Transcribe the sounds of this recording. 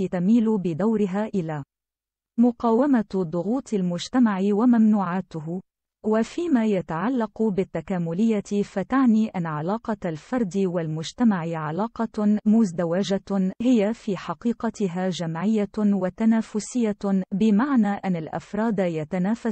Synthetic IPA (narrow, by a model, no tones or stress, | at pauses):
it̪amiːlʊbɪd̪awɾɪɦaːʔɪlaː | mʊqɑːwamad̪ˤʊɣuːt̪ˤʰalmʊd͡ʒt̪amaʕɪwamamnuːʕaːt̪ʊɦ | wafiːmaːjat̪aʕalːɑqbɪt̪ːakaːmʊlɪjːat̪ɪfat̪aʕniːʔanːaʕalɑːqɑlfɑɾˤd̪ɪwalmʊd͡ʒt̪amaʕɪʕalɑːqɑmʊzd̪awad͡ʒahɪjafiːħɑqiːqɑt̪ɪɦaːd͡ʒamʕɪjːawat̪anaːfʊsɪjːabɪmaʕnaːʔanːalʔa̰fɾˤɑːd̪ajat̪anaːfa